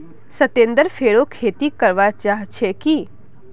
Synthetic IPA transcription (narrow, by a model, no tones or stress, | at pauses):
sət̪ẽːnd̪əɾfʰeːɽokʰeːt̪ikəɾʋat͡ʃaːɦt͡ʃʰeki